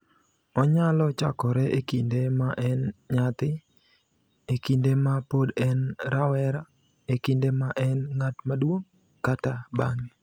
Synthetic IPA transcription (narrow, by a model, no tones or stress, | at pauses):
ɔɲalɔt͡ʃakɔɾɛʔekindemaʔɛnɲat̪ɪ | ekindemapodɛnɾawɛɾa | ekindemaʔɛnŋatmadwoŋ | katabaŋ